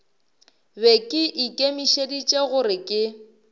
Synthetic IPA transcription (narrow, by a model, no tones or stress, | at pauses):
bekʼɪʔikʼemiʃedit͡ʃʼeɣʊɾɪkʼɪ